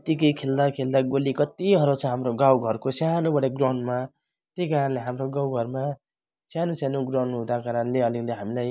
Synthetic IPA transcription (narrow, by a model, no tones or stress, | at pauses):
t̪ikʌjkʰeld̪akʰeld̪aɡolikʌt̪iɦʌɾot͡sʰʌ̃ɦamɾoɡawɡʱʌrkosjanobʌɽeɡrawnma | t̪ejkaɾʌnleɦamɾoɡawɡʱʌrma | sjanosanoɡrawnɦũd̪akaɾʌnleʌlik̚d̪ʌɦamilaj